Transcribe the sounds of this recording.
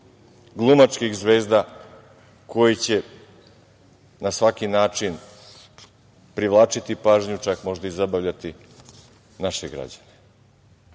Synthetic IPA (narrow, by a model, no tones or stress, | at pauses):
ɡlˠumat͡ʃkixzʋe̞ːzd̪a | ko̞jit͡ɕe̞ | nasʋakinaːt͡ʃin | pɾiʋlˠaːt͡ʃit̪ipaːʒɲut͡ʃakmo̞ʒd̪aizabaʋʎat̪i | naʃeɡɾa̰d͡ʑane